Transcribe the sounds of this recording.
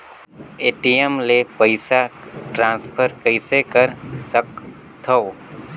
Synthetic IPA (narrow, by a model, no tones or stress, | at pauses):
eʈiemlepəɪsaʈɾãnspʰəɾkəɪsekəɾsək | t̪ʰəo